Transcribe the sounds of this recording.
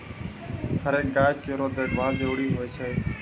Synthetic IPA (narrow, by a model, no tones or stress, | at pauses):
həɾẽːɡaːkeːɾõːd̪eːɡʋãːd̪eːʊɽiːɦoːeːt͡ʃʰeː